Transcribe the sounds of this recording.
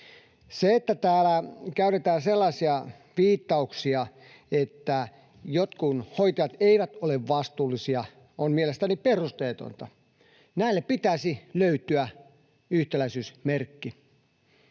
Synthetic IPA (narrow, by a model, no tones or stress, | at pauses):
seet̪ːæt̪æːlækæyt̪et̪æːnselːɑsiɑ | ʋiːt̪ːɑuksiɑ | et̪ːæ | jot̪kunhoit̪ɑjɑt̪eiʋæt̪oleʋʋɑst̪uːlːˑisiɑ | onmielest̪æniperust̪eːt̪o̰nt̪ɑ | næilːeppit̪æsiløyt̪yæ | yht̪elæisyːsmerkːi